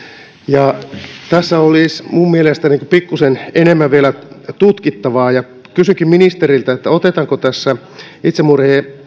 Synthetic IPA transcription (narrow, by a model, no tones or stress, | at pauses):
jɑt̪æsːæolismummielest̪æniŋkupikːusenenemːæʋielæt̪ut̪kit̪ːɑʋɑːjɑ | kysyŋkimminist̪erilt̪æet̪ːæot̪et̪ɑŋkot̪æsːæ | it̪semurheː